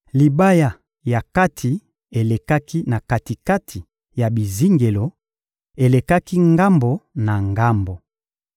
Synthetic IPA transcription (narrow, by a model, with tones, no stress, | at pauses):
li˨ba˦ja˨ | ja˨ka˦tʰi˨ | e˨le˨ka˦ki˦na˨ka˨ti˨ka˦tʰi˨ | ja˨bi˨zi˦ŋɡe˨lo˨ | e˨le˨ka˦ki˦ŋɡa˦mbo˨na˨ŋɡa˦mbo˨